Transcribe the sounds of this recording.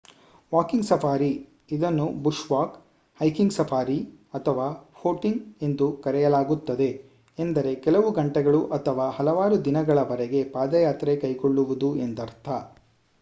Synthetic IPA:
ʋaːkiŋɡsɐfʰaːɾi | id̪ɐnːubuʂʋaːk | hɐjkiŋɡsɐpʰaːɾi | ɐt̪ʰɐʋaːfoːʈiŋɡe̞nd̪ukɐɾɛjɐlaːɡut̪ːɐd̪e̞ | end̪ɐɾe̞kɛlɐʋuɡɐɳʈɛɡɐɭuʔɐt̪ʰɐʋaːhɐlɐʋaːɾud̪inɐɡɐɭɐʋɐɾɛɡe̞paːd̪ɐjaːt̪ɾe̞kɐjkoɭːuʋud̪uend̪ɐɾt̪ʰɐ

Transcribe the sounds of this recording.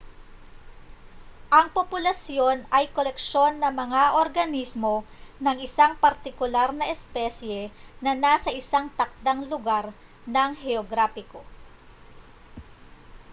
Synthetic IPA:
ʔɐŋpopʊlɐsjo̞nɐjkolɛkʃo̞nːɐŋmɐŋaʔoɾɡɐnismo̞ | nɐŋɪsaŋpɐɾt̪ɪkʊlaɾnɐʔɛspɛsjɛnɐnaːsɐʔɪsaŋt̪ɐk̚d̪aŋlʊɡaɾ | nɐŋhɛoɡɾafɪko

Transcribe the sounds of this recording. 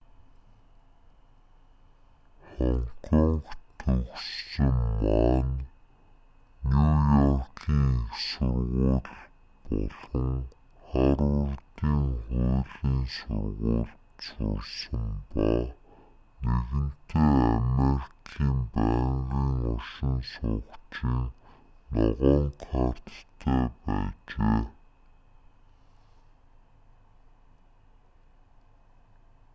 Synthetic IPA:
χɔɴkʰɔɴkt̪ʰɵksːə̆mːaːn | nujɔrkʰiːŋeksʊrʁʊːɮ | pɔɮɞ̆ŋ | χæɾʊrt̪iːŋχuːɮiːnsʊŋʁʊːɮ | t͡sʊsɘ̆mpɔ | neɣɘ̆n̥t̪eːæmeɾi̥kʰiːmpæːŋɣiːŋɔʃɪ̆nsʊkt͡ɕiːŋ | nɔʁɔːŋqʰar̥t̪t̪ʰeːpæːt͡ɕeː

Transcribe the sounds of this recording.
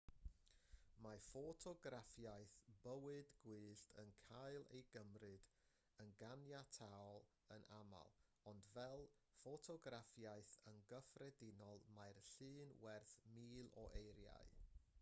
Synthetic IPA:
mafɔtʰɔɡrafjajθb̥əwɨdɡwɨːɬtʰənkʰaɨlˠḛjɡəmrɨd | ənɡanjatʰawɔlˠ | ənʔama̰lˠ | ɔndvɛlˠfɔtʰɔɡrafjajθənɡəfrɛdɪnɔlˠmajrɬɨːnwɛrθmiːlˠɔ̰ʔejɾja̰ɨ

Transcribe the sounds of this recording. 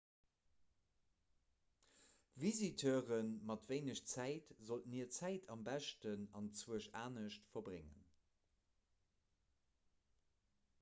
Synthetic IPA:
vizitʰøːʁənmɑtveɪnəɕt͡sæɪtzoltniːɐt͡sæɪtʰɑmbæʃtənɑnt͡swuəʃaːnəʃtfɐbʁeŋə̰n

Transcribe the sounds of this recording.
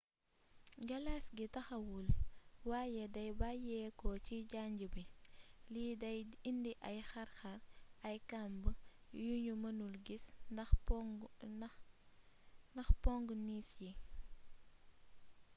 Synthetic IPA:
ɡɐlasɡitɐxɐwulwaːjɛdɐjbajɛkɔciɟaɲɟəbilidɐjindiʔɐjxɐɾxɐɾɐjkambəjuɲumɐnulɡisɐ | nɐxpɔŋɡniːsji

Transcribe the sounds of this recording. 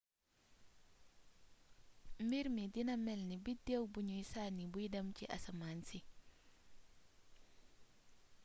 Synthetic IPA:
mbiɾmidinamɛlnibidewbuɲuisanibuidɐmciʔa̰samansi

